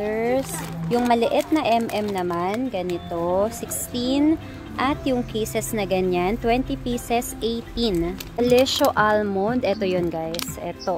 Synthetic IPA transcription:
ɛɹsjʊŋmɐlɪʔɛt̪̚nɐʔɛmʔɛmnɐmanɡɐnɪt̪osɪkst̪in | ʔɐt̪jʊŋkʰejsɛsnɐɡɐɲant̪wɛnt̪ipisɛsʔejt̪inɐlɛʃoʔalmond̪ʔɛt̪ojonɡajsʔɛ̰t̪o

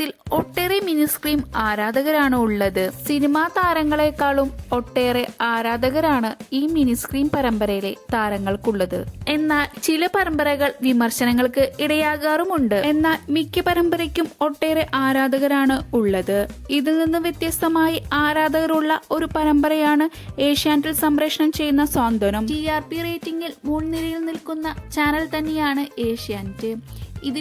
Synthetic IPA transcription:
t̪ːilo̞ʈːe̞ːreminiskriːmaːɾaːd̪ɐɣɐɾaːɳɨuɭːɐðɨsinimaːt̪aːɾɐŋːɐɭekːaːɭumo̞ʈːe̞ːre̞aːɾaːd̪ɐɣɐɾaːɳɨiːminiskriːmpɐɾɐmbɐɾɐjile̞t̪aːɾɐŋːɐɭkuɭːɐðɨ̰e̞nːaːlt͡ɕilɐpɐɾɐmbɐɾɐɣɐɭʋimɐrɕɐnɐŋːɐɭkɨiɽɐjaːɣaːrumuɳɖɨe̞nːaːlmikʲːɐpɐɾɐmbɐɾɐkʲːumo̞ʈːe̞ːreʔaːɾaːd̪ɐɣɐɾaːɳɨuɭːɐðɨiðɨninːɨʋjɐt̪jɐst̪ɐmaːjiaːɾaːd̪ɐɣɐɾuɭːɐo̞ɾupɐɾɐmbɐɾɐjaːɳɨe̞ːʂijaːntilsɐmɾɐkʂɐɳɐmt͡ɕe̞jːunːɐswaːnd̪ɐnɐmʈiaːrpireːtːiŋɡilmuːɳnilɐjilnilkunːɐt͡ɕaːnɐlt̪ɐnːe̞jaːɳɨe̞ːʂijaːntɨiðɨ

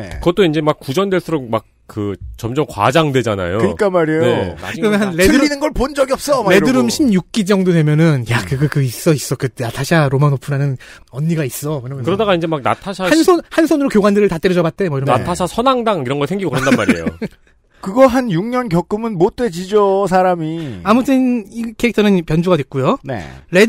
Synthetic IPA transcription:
ekɯɡʌt͈oind͡ʑe̞mak̚k͈ud͡ʑʌndweɭs͈uɾok̚mak̚kɯt͡ɕʌmd͡ʑʌmkwa̰d͡ʑaŋdwe̞d͡ʑana̰jokɯɲik͈amaɾejnea̰ɾʌnnɦanːedʰɯɯinɯnɡʌɭpond͡ʑʌɡiʌp̚s͈ʌeɯɾɯmɕʰimjuk̚k͈id͡ʑʌŋdodwemjʌnɯnjakɯɡʌkɯis͈ʌis͈ʌkɯnatʰaɕʰiaɾomanopʰɯɾanɯn | ʌnːiɡais͈ʌmwʌɲʌmjkɯɾʌdaɡaind͡ʑemak̚na̰tʰaɕʰaansʰonhansʰʌnɯɾokjoɡwandɯɾɯɭtat͈eɾjʌd͡ʑʌbat̚t͈e̞mʌiɾʌna̰tʰasʰasʰʌnaŋdaŋiɾʌnɡʌsʰeŋɡiɡokɯɾʌndanma̰ɾḛjo̰ | kɯɡʌɦanjuŋɲʌnkjʌk͈ɯmɯnmot͈̚we̞d͡ʑid͡ʑʌs̬ʰaɾamiamut͈ʰɯnikʰeik̚tʰʌnɯnpjʌnd͡ʑuɡadwe̞k̚k͈ujonḛɾe

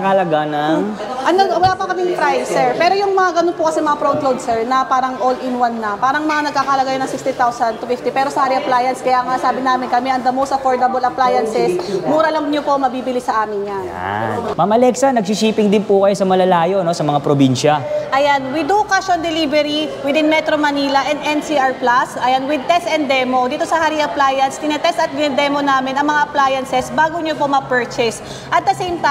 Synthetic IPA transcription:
kalɐɡanɐ | ʔɐnɐwɐlaːpɐkɐmɪŋpɾajsɛɹpɛːɾojʊŋmɐŋaɡɐnonpʊkɐsɛmɐŋapɾod̪lowd̪̚sɛɹnɐpaːɾɐŋʔolɪnwanːɐpaːɾɐŋmɐŋanɐɡ̚kaːkɐhɐlɐɡajonɐŋsɪkst̪it̪awsɐnd̪̚t̪ufɪft̪ipɛːɾo̞sɐaːɾiɐplajɐnskɐjaːŋaʔsaːbɪnaːmɪnkɐmɛʔɐŋd̪ɐmowst̪ɐfoɹd̪ɐbɐlɐplajɐnsɛsmuːɾɐlɐŋɲopo̞mɐbiːbɪlisɐʔaːmɪŋɲa̰ | mamɐlɛksɐnɐɡ̚sisiːpɪŋd̪ɪnpʊkɐjosɐmɐlɐlaːjo̞no̞sɐmɐŋapɾobinʃɐʔɐjanwɪd̪ukaʃond̪ɛlivɛɾiwɪd̪ɪnmɛt̪ɾomɐniːlɐʔɛnd̪ʔɛnsiʔɐɹplasʔɐjanwɪd̪̚t̪ɛst̪ɛnd̪̚ːɛmo̞d̪iːt̪o̞sɐhaɾiʔɐplajɐnst̪ɪnɐt̪ɛst̪ɐt̪̚ɡɪnɛd̪ɛmonaːmɪnɐŋmɐŋaʔɐplajɐnsɛsbaːɡoɲopo̞mɐpɛɹt͡ʃɛs | ʔɐt̪̚d̪ɐsejmt̪

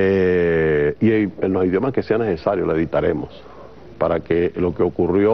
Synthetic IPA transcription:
e | ieenoiðjo̞makeseanese̞saɾjolaeðit̪aɾe̞̰mos | paɾakelo̞keo̞kurjo

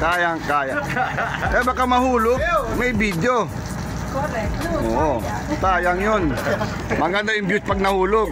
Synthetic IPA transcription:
kaːjaŋkaːja | ɛabakamɐhuːloɡ̚mɛjbid̪jo | ʔoːʔo | t̪aːjɐŋjon | mɐɡɐnd̪ajʊmbjʊt̪̚pɐɡ̚nɐhuːloɡ̚

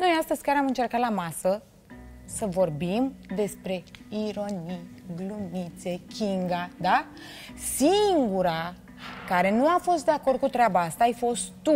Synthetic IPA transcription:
no̞jast̪əzʲkʲaɾamɨnt͡ʃe̞rkat̪lamasə | səvo̞rbimd̪e̞spɾe̞iɾo̞nijɡlumit̪se̞kʲiŋɡad̪a | siŋɡuɾa | kaɾe̞nuafo̞st̪̚d̪e̞ako̞rd̪̚kut̪ɾʲeabaast̪aːjfo̞st̪t̪u

